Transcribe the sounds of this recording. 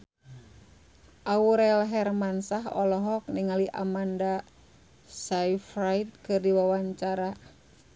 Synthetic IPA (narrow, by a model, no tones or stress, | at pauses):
ʔauɾɛlɦɛrmansaɦɔ̰lɔɦɔk̚niŋaliʔa̰manda | saifɾajt̪̚kɨrdiwawaɲt͡ʃaɾa